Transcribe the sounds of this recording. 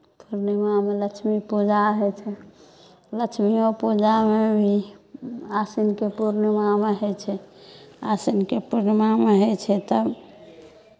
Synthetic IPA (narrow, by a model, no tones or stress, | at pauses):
puɾnəmamelət͡ʃʰmipud͡ʒaɦɛt͡ʃʰɛ | lət͡ʃʰmiopud͡ʒamebʱi | asinkepuɾnmameɦɛt͡ʃʰɛ | asinkepuɾnmameɦɛt͡ʃʰɛt̪əb